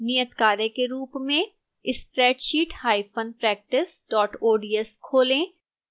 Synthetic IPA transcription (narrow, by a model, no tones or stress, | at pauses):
nijət̪kaːɾẽkeɾuːpmẽ | ɪspɾɛːʈʃiːʈhaːipʰənpɾɛːk̚ʈɪsɖɔːʈoːɖiːɛskʰoːlẽ